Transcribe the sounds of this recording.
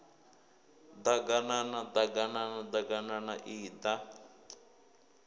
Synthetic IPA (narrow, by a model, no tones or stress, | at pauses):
d̪aɡananad̪aɡananad̪aɡananaʔiːd̪a